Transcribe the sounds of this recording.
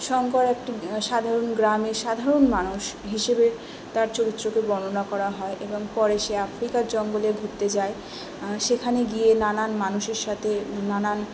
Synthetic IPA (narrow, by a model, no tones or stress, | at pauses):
ʃɔŋkoɾɛk̚ʈiʃad̪ʱaɾonɡɾameɾʃad̪ʱaɾonmanuʃɦiʃebe | t̪aɾt͡ɕoɾit̪ːɾokebɔnonakɔɾaɦɔeʔeboŋpɔɾeʃeafɾikaɾd͡ʑɔŋɡoleɡʱuɾt̪ed͡ʑae | ʃekʰaneɡijenananmanuʃeɾʃat̪ʰenanan